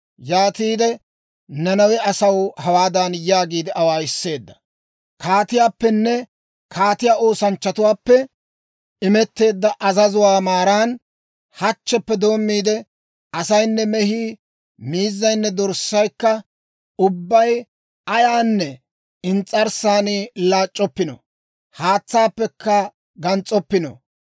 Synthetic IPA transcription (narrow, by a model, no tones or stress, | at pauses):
jaːt̪iːd̪ɛ | nɐnɐwɛɐsɐwhɐwaːd̪ɐnjaːɡiːd̪ɪʔɐwaːɪsːe̞ːd̪ːɐ̥ | kʰaːt̪ɪjaːpːɛnːɛ | kʰaːt̪ɪjaːo̞ːsɐnt͡ʃːɐt̪ʊwaːpːɛ | ɪmɛt̪ːe̞ːd̪ːɐʔɐzɐzʊwaːmaːɾaːn | hɐt͡ʃːɛpːɛd̪o̞ːmːiːd̪ɛ | ɐsɐjnːɛmɛhiː | miːzːɐjnːɛd̪ɔɾsːɐjkːɐ | ʊbːɐj | ɐjaːnːɛ | ɪnt͡sʼɐɾsaːniːlaːt͡ʃʼːɔpːɪnɔ̰ | haːt͡sːaːpːɛkːɐ | ɡɐnt͡sʼɔpːɪnɔ̰